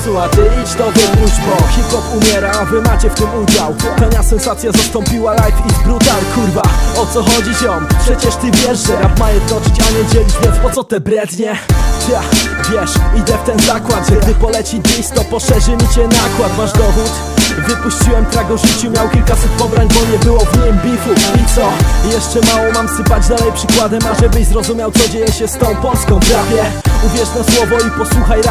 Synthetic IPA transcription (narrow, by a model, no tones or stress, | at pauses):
suwat̪ɛid͡ʑd̪ɔbɔud͡ʑbɔxʲipxɔpumʲjɛɾaːvɘmat͡ɕɛft̪ɘmud͡ʑawt̪ɔɲasɛnsat̪sʲjazast̪ɔ̃mpʲiwalajfizbɾut̪alkuɾvaɔt̪sɔxɔd͡ʑit͡ɕɔnpʂɛt͡ɕɛʂt̪ɘvʲjɛʐʐɛɾabmajɛd̪nɔt͡ɕit͡ɕaɲɛd͡ʑɛlʲit͡ɕvʲjɛnspɔt̪sɔt̪ɛbɾɛd̪ɲɛvʲjɛvʲjɛʂid̪ɛft̪ɛnzakwad̪ʐɛd̪ɘpɔlɛt͡ɕid̪lʲist̪ɔpɔʂɛʐɘmʲit͡ɕɛnakwat̪maʐd̪ɔɦut̪ | vɘpuɕt͡ɕiwɛmt̪ɾaɡɔʐɘt͡ɕumʲjawkʲilkasut̪̚pɔbɾaɲbɔɲɛbɘwɔvɲɛmbʲifuit̪sɔjɛʂt͡ʂɛmawɔmamsɘpad͡ʑd̪alɛjpʂɘkwad̪ɛmaʐɛbɘɕzɾɔzumʲjawt̪sɔd͡ʑejɛɕɛst̪ɔ̃w̃pɔlskɔ̃w̃pɾavʲjɛuvʲjɛʂt̪ɔswɔvɔipɔswuxajɾa